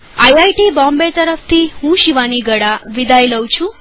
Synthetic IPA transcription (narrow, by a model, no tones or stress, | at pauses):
ajajʈibɔ̃mbet̪əɾəft̪ʰihũʃiʋaniɡəɽaʋid̪ʱajləwt͡ɕʰũ